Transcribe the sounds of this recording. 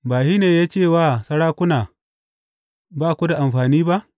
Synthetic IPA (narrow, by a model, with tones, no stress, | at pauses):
baː˨ʃi˦neː˨jaː˦t͡ʃeː˦˨waː˦˨sɐ˦ɽaː˦kʷʊ˦naː˨ | baː˦˨kʷu˦da˨ʔa˨mɸaː˨niː˦ba˦ʔ